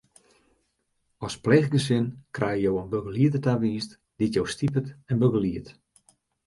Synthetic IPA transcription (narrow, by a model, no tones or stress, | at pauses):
ɔsplɛɣɡəs̬ɪnkrʔɛjəjowənbøɡəliətətaʋiːst | d̥itjowstipətɛnbøɡəliət